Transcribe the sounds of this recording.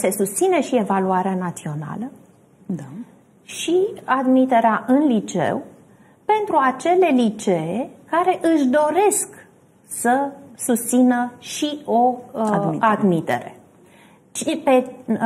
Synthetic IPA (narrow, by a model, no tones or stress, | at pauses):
se̞sust̪sine̞ʃie̞valuaɾeanat̪sio̞na̰lə | d̪a | ʃiad̪mit̪e̞ɾeaʔɨnlit͡ʃe̞̰w | pe̞nt̪ɾuat͡ʃe̞le̞lit͡ʃe̞ekaɾe̞ʔɨʃd̪o̞ɾe̞sk | səsust̪sinəʃio̞ | ad̪mit̪e̞̰ɾe̞̰ | t͡ʃipe